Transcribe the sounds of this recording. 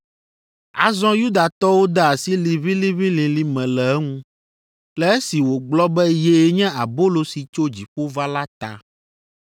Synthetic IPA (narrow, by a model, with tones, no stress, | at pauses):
a̰˨zɔ̃˦ju˦d̪a˨t̪ɔ˦wo˦d̪ɛ˦a˨si˦li˨βĩ˦li˦βĩ˦lĩ˨li˦mɛ̃˨lɛ˨ɛ˦ŋũ˦ | lɛ˨e˦si˨wo˨ɡ͡blɔ˦bɛ˦je˨˦ɲɛ̃˦a˨bo˦lo˨si˨t͡ʃo˦d͡ʑi˨ɸo˦va˦la˦t̪a̰˨